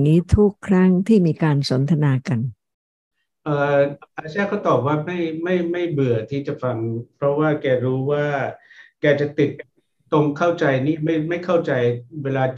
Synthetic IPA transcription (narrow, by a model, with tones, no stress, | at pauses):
ŋiː˦˥t̪ʰu˦˥kʰːɾa˦˥˩ŋt̪ʰiː˥˩miː˧kaː˧nso˩˦nt̪ʰa˧naː˧ka˧n | ʔɤː˧˩ʔa˧sɛː˥˩kʰa˦˥˩wt̪ɔː˨˩p̚waː˥˩ma˥˩jma˥˩jma˥˩jbɯ˨˩ɐt̪ʰiː˥˩t͡ɕa˨˩fa˧ŋpʰɾɔ˦˥waː˥˩kɛː˧ɾuː˦˥waː˥˩ | kɛː˧t͡ɕa˨˩t̪i˨˩t̪̚ | t̪o˧ŋkʰa˥˩wt͡ɕa˧jniː˥˩ma˥˩jma˥˩jkʰa˥˩wt͡ɕa˧jweː˧laː˧